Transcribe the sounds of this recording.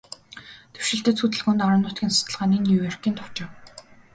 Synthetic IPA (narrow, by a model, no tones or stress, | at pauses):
t̪ʰe̥w̥ʃɪ̆ɬt̪ɘ̆t͡sʰxut̪̬ɘ̆ɮɣoːnt̪aɾə̆nʊːt̪ɡʲiːnsʊ̥t̪ə̆ɮʁaːniːniwer̥kiːnt̪ʰʊ̥wt͡ɕɪ̆w